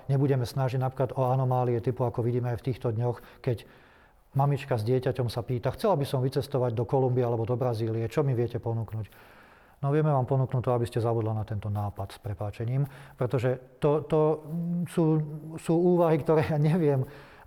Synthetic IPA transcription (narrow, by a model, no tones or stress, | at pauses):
ɲɛbuɟɛmɛsnaʒiɟnapɾiklad̪ɔanɔmaːliɛt̪ipuakɔʋiɟiːmɛajft̪iːxt̪ɔd̪ɲɔxkɛɟ | mamit͡ʃkazɟɪɛcacɔmsapiːt̪axt͡sɛlabisɔmʋit͡sɛst̪ɔʋaɟ̚d̪ɔkɔlumbiɛalɛbɔd̪ɔbɾaziːliɛt͡ʃɔmiʋɪɛcɛpɔnuːknuːc | nɔʋɪɛmɛʋaːmpɔnuːknuːt̪ːɔabiscɛzabud̪lanat̪ɛnt̪ɔnaːpat̪spɾɛpaːt͡ʃɛɲiːmpɾɛt̪ɔʒɛt̪ɔt̪ɔsuːsuːuːʋaɦikt̪ɔɾɛːjaɲɛʋɪɛm